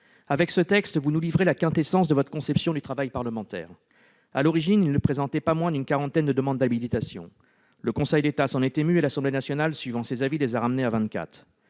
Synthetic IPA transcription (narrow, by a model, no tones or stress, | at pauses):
avɛksət̪ɛkst̪vunulivʁelakɛ̃t̪esɑ̃sd̪əvɔt̪χə̥kɔ̃sɛpsjɔ̃d̪yt̪χavajpaʁləmɑ̃t̪ɛ̰ːʁ | a̰lɔʁiʒinilnːəpχezɑ̃t̪ɛpamwɛ̃d̪ynkaʁɑ̃t̪ɛnd̪əd̪əmɑ̃d̪d̪abilit̪asjɔ̰̃ | ləkɔ̃sɛjd̪et̪asɑ̃net̪emyelasɑ̃blenasjɔnalsɥivɑ̃sezavilezaʁamneavɛ̃nt̪̚ka̰t̪χ